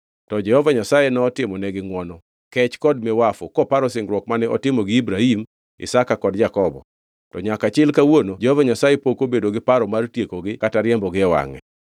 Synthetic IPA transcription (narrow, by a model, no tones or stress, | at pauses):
tɔd͡ʒɛhɔvaɲasajenɛɔtɪmɔnɛɡɪŋwɔnɔ | kɛt͡ʃkɔd̚mɛwafɔkɔpaɾɔsɪŋɡɾwɔkmanɛɔtɪmɔɡɪibɾahim | ɪ̰sakakɔdd͡ʒakɔbɔ̰ | tɔɲakat͡ʃɪlkawonod͡ʒɛhɔvaɲasajepokobedoɡɪpaɾɔmartjekoɡɪkataɾjɛmbɔɡɪɛwa̰ŋɛ̰